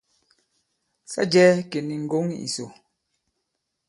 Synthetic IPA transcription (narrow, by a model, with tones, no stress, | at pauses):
sa̰˦d͡ʒɛː˦ke˨ni˨ŋ̩˨ɡo˦ŋ˦ḭ˨so˨